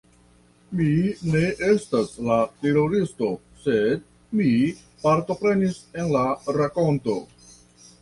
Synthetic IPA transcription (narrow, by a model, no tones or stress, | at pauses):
mine̞ʔe̞staslateɾo̞ɾisto̞ | se̞d | mi | paɾto̞pɾe̞nise̞nlaɾako̞nto̞